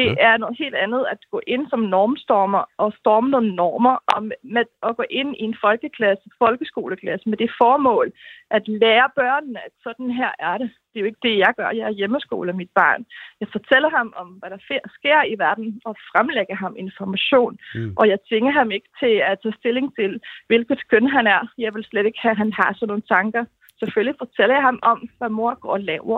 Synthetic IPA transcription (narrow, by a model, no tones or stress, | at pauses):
d̥e̝ʔæɐnɔ̽ːð̩ˠɦe̝̰ːld̥ænð̞̩ˠæd̥ɡ̥ɔ̰ːʔe̝n̰sɒ̽mnɒːmsd̥ɒːmɐʔɒ̽sd̥ɒːməno̝ːn̩nɒːmɐʔɒmmeɒ̽ɡ̥ɔ̰ːʔe̝n̰ie̝nfɒ̽lɡ̥əkʰlæsəfɒ̽lɡ̥əsɡ̥o̝ːləkʰlæsəmed̥e̝fɒːmɔ̰̽ːlʔæd̥lɛːɐb̥ɶɐ̰nnæd̥sɒ̽d̥n̩ɦæɐ̰æɐɾed̥e̝jo̝e̝ɡ̥əd̥e̝jɑ̈ɪɡ̥ɶɐjɑ̈ɪæɐjeməsɡ̥o̝̰ːləmid̥̚b̥ɑ̰̈ːnjɑ̈ɪfɒ̽t͡sʰel̰ɐhɑ̈mɒ̽mʋæɾ̥ɑ̈fesɡ̥e̝ɐ̰iʋæɐd̥n̩ɒ̽fʁamleɡ̥ɐɦɑ̈me̝nfɒmæɕo̝̰ːnʔɒ̽jɑ̈ɪt͡sʰʋe̝ŋɐɦɑ̈me̝ɡ̥ə̥t͡sʰe̝læt͡sʰɛ̰ːsd̥e̝le̝ŋt͡sʰe̝lʋe̝lɡ̥ð̩ˠkʰønɦænæɐjɑ̈ɪʋe̝lsled̥e̝ɡ̥əhæɦænhɑ̈sɒ̽no̝ːn̩t͡sʰɑ̈ŋɡ̥ɐ | seføllifɒ̽t͡sʰel̰ɐjɑ̈ɪhɑ̈mʔɒ̽mʋæmo̝ɐ̰ɡ̥ɒ̰ɐlɛʊɐ